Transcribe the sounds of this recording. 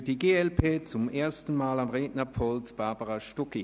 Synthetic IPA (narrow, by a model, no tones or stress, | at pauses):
d̥iɡeːɛlpʰeːt͡sʊmeːɐstn̩maːlamʁeːdnɐpɔltb̥aːbəʁaʃtɔki